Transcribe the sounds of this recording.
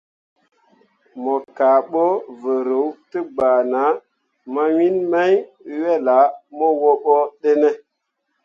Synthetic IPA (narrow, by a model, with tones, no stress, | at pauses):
mɔ˨ka˨ɓo˦və˨ɾə˨˦wtə˦ɡ͡ba˨na˨˦ | ma˦wi˦nma˦jwe˦la˨˦mo˦wo˦ɓo˦ɗe˦ne˦